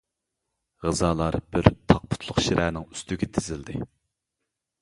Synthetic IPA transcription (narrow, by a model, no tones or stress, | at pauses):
ʁəzɑːlˠɑɾb̥ɪɾt̪ʰɑq̚pʰʊ̥t̪ʰlˠʊχʃiɾʔænɪŋy̥st̪yɡʲɛt̪ʰɪzɪld̪ɪ